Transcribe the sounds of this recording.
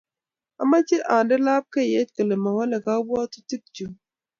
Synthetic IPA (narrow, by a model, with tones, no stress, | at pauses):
a˨ma˦t͡ʃi˦ʔa˨ndə˦la˦p̚ke˦˨jɛ˦t̚kə˨lə˨ma˨wa˦lə˨ka˦bwa˦tu̥˦ti˦k̚d͡ʒu˨